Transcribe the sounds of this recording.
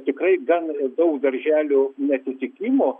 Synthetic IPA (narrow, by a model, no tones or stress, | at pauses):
t̪ʲɪkrɐɪɡɐnd̪ɐʊkd̪ɐɾʲʒʲæːlʲoːnʲɛt̪ʲɪt̪ʲɪkʲimoː